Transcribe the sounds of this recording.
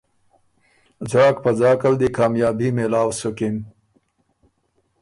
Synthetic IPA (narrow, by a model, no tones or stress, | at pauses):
zɑːk̚pazɑːkald̪ikɑːmjɑːbimelɑːwsʊkim